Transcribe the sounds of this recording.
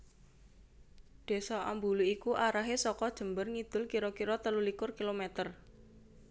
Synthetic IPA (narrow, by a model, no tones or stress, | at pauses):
d̪̥e̤sɔʔa̰mbuluikuʔaɾaɦesɔkɔd̥ʒ̥ə̤mbərŋid̪̥ʊ̤lkiɾɔkiɾɔt̪əlulikʊrkilomɛt̪ər